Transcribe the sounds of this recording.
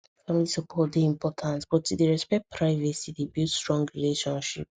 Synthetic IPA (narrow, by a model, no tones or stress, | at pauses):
fãmlisɔpʰɔtdiĩmpʰɔtʰãnsbɔtudiɹɛspɛkt̚pʰɹaɪvɛsidibjutstɹɔ̃ŋɡɹileʃɔ̃nʃip̚